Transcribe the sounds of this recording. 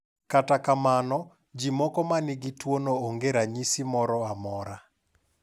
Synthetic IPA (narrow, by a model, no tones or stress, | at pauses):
katakamanɔ | d͡ʒimɔkɔmanɪɡitwonooŋɡeɾaɲisimɔɾɔamɔɾa